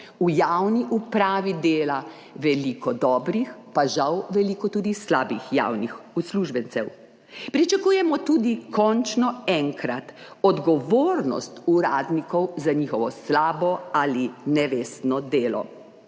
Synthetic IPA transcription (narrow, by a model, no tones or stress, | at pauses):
ujawniʔupɾaːʋid̪eːla | ʋɛlikɔd̪ɔːbɾixpaʒawʋɛliːkɔt̪uːd̪islaːbixja̰wnixusluʒbɛnsɛw | pɾit͡ʃakuːjɛmɔt̪uːd̪ikʰɔnt͡ʃnɔɛŋkɾat̪ɔd̪ɡɔʋoɾnɔ̰st̪uɾaːd̪nikɔwzaɲiːxɔʋɔslaːbɔalinɛʋeːst̪nɔd̪eːlɔ̰